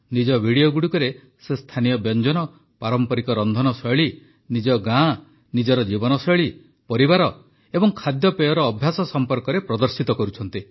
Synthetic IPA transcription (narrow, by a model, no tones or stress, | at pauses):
nid͡ʒɔbʱiɽijoɡuɽukɔɾe | sest̪ʰanijɔbjɔnd͡ʒɔnɔ | paɾɔmpɔɾikɔɾɔnd̪ʱɔnɔsɔɭi | nid͡ʒɔɡã | nid͡ʒɔɾɔd͡ʒibɔnɔsɔjɭi | pɔɾibaɾɔ | ebɔŋkʰad̪jɔpejɔɾɔːbʱjasɔsɔmpɔɾkɔɾepɾɔd̪ɔɾsit̪ɔkɔɾut͡ʃʰɔnt̪i